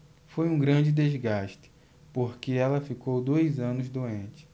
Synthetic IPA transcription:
fojũɡɾɐ̃d͡ʒɪd̪ezɡaʃtɪ̥ | poɾkeɛlɐfikowd̪ojzɐ̃nʊzd̪oẽnt͡ʃɪ̥

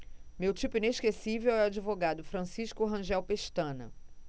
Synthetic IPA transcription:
mewt͡ʃipʊĩneʃkesivewɛad͡ʒivoɡad̪ʊfɾɐ̃siʃkʊɦɐ̃ʒɛwpeʃt̪ɐ̃nɐ̰

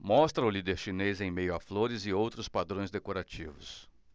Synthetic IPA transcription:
mɔst̪ɾɐʊlid̪eɾʃinezẽj̃mejʊafloɾɪzɪowt̪ɾʊspad̪ɾõj̃zd̪ekoɾat͡ʃivʊs

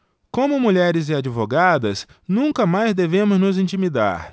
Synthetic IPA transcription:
kõmʊmuʎɛɾɪzɪad͡ʒivoɡad̪ɐsnũkɐmajzd̪evẽmʊznʊzĩnt͡ʃimid̪a̰ɾ

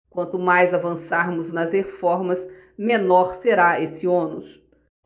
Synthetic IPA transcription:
kwɐ̃nt̪ʊmajzavɐ̃saɾmʊznɐzhefɔɾmɐs | mẽnɔɾseɾaesɪõnʊsʊ

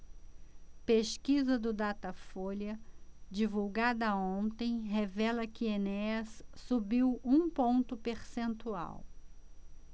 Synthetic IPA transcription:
peskizɐd̪ʊd̪at̪ɐfoljɐd͡ʒivuwɡad̪ɐõnt̪ẽj̃ɦevɛlɐkɪeneɐsːubiwũpõnt̪ʊpeɾsẽnt̪ua̰w

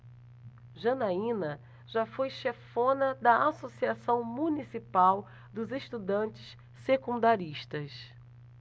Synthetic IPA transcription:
ʒɐnaĩnɐ | ʒafojʃefõnɐd̪ɐasosiasɐ̃w̃mũnisipaw | d̪ʊzeʃt̪ud̪ɐ̃nt͡ʃɪ̥ʃ | sekũnd̪aɾiʃt̪ɐs

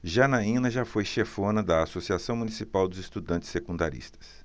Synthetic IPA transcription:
ʒanaĩnɐʒafojʃefõnɐd̪ɐasosiasɐ̃w̃mũnisipawd̪ʊzɪst̪ud̪ɐ̃nt͡ʃɪ̥sːekũnd̪aɾḭst̪ɐ̥s

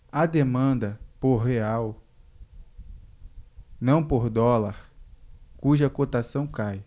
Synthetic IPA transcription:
ɐd̪emɐ̃nd̪ɐpoɾɦeaw | nɐ̃w̃poɾd̪ɔlaɾ | kuʒɐkot̪asɐ̃w̃kaj

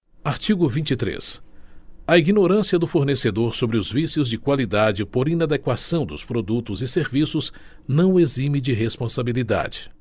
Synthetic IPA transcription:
aɾt͡ʃiɡʊvĩnt͡ʃɪt̪ɾḛs | ɐiɡinoɾɐ̃siɐd̪ʊfoɾnesed̪oɾsobɾɪʊzvisjʊzd͡ʒɪkwalid̪ad͡ʒɪpoɾĩnad̪ekwasɐ̃w̃d̪ʊspɾod̪ut̪ʊzɪseɾvisʊz | nɐ̃w̃ezĩmid͡ʒɪɦespõsabilid̪a̰d͡ʒɪ̥

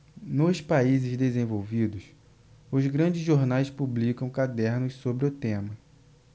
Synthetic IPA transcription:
nʊspaizɪzd̪ezẽvowvid̪ʊs | ʊzɡɾɐ̃d͡ʒɪzʒoɾnajspublikɐ̃w̃kad̪ɛɾnʊssobɾɪʊt̪ẽmɐ

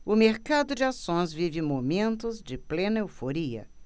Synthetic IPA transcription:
ʊmeɾkad̪ʊd͡ʒɪasõj̃zvivɪmomẽnt̪ʊzd͡ʒɪplẽnɐewfoɾiɐ̰

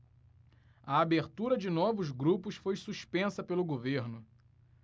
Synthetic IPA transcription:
ɐabeɾt̪uɾɐd͡ʒɪnɔvʊzɡɾupʊsfojsuʃpẽsɐpelʊɡoveɾnʊ

